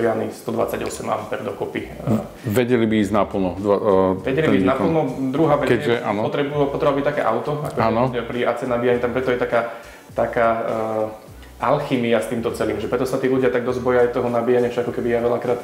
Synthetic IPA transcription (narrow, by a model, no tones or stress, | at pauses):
ɾɪalnist̪ɔd̪ʋa̰t͡saɟɔsɛma̰pɛɾd̪ɔkɔpi | ʋɛɟɛlibiiːzɟnapl̩ˠnɔd̪ʋɛɟɛlibiːznapl̩ˠnɔd̪ɾuɦaːʋɛkɛʒɛʔanɔpɔt̪ɾɛbuupɔt̪ɾɛbabit̪akɛːʔaʊt̪ɔa̰kɔkaɛnɔpɾiʔat͡sɛnabiːjaɲit̪ampɾɛt̪ɔjɛt̪akaː | t̪akaː | ʔalximiast̪iːmt̪ɔt͡sɛliːmʒɛpɾɛt̪ɔsat̪iːluɟɪat̪aɡ̚d̪ɔzbɔjajt̪ɔɦɔnabijaɲɪafʃakɔkɛbijaʋɛlakɾaːt̪